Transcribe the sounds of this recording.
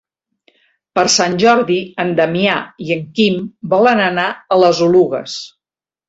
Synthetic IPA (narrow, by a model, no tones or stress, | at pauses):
pəɾsanʲʒɔɾðiənd̪əmiaiəŋkimbɔlənənaələzuluɣə̰s